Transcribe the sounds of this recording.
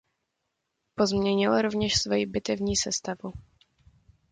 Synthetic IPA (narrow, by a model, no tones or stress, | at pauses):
po̞zmɲɛɲɪlɾovɲɛʃsvojibɪt̪ɛvɲiːsɛst̪avu